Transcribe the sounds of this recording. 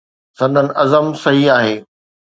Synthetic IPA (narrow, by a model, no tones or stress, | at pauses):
sɐ̃nd̪ʱənɪ̆ʔɐzəmsɐɦiaːɦeː